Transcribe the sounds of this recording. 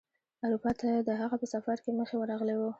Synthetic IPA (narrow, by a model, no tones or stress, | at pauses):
ʊɾupɑt̪ʰad̪əɦaɣapəsafaɾkeməxewəɾɑɣəlewo